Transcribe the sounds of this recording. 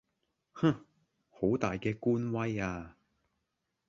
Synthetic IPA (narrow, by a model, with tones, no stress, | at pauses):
ha˥ | ho˨˥wt̪aː˨jkɛː˧kuː˥nwɐ˥jaː˧